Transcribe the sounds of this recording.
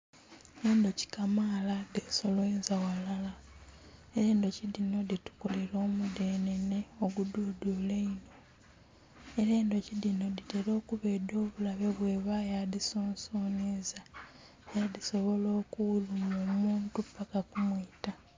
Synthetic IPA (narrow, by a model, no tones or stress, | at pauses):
eːndo̞ci̥kamaladeso̞lwenzawalala | eɾe̞ːndo̞ciðino̞ditu̥kole̞ɾo̞ːmudeːne̞ne̞oɡududuleino̞ | eɾeːndo̞ciðino̞diteɾo̞ːkuβe̞ːdo̞ːβulaβe̞βwe̞ːβajaðisoːnsoːneza | jaðiso̞βo̞lo̞ːkuulumoːmuːntupːakakumwita